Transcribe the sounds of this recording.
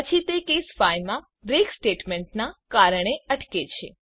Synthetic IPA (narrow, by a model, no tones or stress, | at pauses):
ət͡ʃʰit̪ekesfajmã | bɾeksʈeʈmeɳʈ̚nakaɾəɳ̃eəʈket͡ʃʰḛ